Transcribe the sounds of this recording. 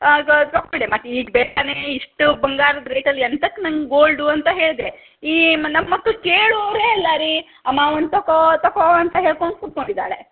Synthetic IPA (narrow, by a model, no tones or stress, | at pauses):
oːkmiɖemɐʈiːɡbɛːʈɐneːiʂʈubɐŋɡaːɾɐd̪ɾe̞ːʈɐlːiɐnt̪ɐkːnɐŋɡɡoːlɖuɐnt̪ɐɦe̞ːɭd̪e | iːnɐmːɐkːɭukeːɭuɾeːɛlːɐɾi | ɐmaːʋɐnd̪t̪ɐkot̪ɐkoɐnt̪ɐɦe̞ːɭkoɳ̚kuʈ̪̚koɳɖid̪a̰ːɭe